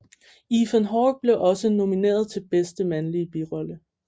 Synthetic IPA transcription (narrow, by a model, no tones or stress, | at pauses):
ifənɦɒːɡ̥̚b̥le̝ʔɒ̽səno̝mine̝̰ːɐð̞ˠt͡sʰe̝lb̥esd̥əmænliəb̥iʁɒ̽lə